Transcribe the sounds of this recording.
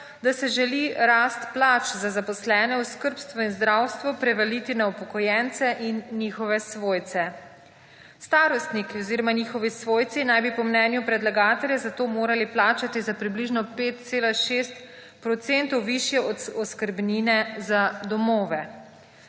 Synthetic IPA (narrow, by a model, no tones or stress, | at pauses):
d̪asɛʒɛliɾast̪plaːt͡ʃzazapɔslɛːnɛɔskəɾpst̪ʋɔinzd̪ɾawst̪ʋɔpɾɛʋɛlit̪inaupɔkɔjɛnt̪sɛʔinːixɔʋɛsʋoːjt̪sɛ | st̪aːɾɔst̪nikiɔziɾɔmanixɔʋisʋoːjt̪sinajbipɔmnɛːnjupɾɛd̪laɡaːt̪ɛljɛzat̪oːmoːɾaliplaːt͡ʃat̪izapɾibliʒnɔpeːt̪̚t̪seːlaʃeːst̪ | pɾɔt̪sent̪ɔwʋiʃjɛɔt̪ɔskəɾbniːnɛzad̪ɔmoːʋɛ